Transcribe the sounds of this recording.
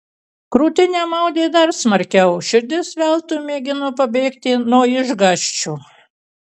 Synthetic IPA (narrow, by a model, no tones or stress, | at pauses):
kɾuːt̪ʲɪnʲeːmɐʊd̪ʲeːd̪ɐɾsmɐɾʲkʲɛʊʃʲɪɾʲd̪ʲɪsʋʲælˠt̪umʲeːɡʲɪnoːpɐbʲeːkt̪ʲɪnuɔɪʒɡɑʃʲt͡ʃʲuː